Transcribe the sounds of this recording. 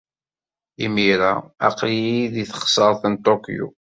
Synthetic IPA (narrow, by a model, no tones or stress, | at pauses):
imiɾa̰æ̰qliiðiθə̥χsˤəɾˤθənt̪ˤokḭjṵ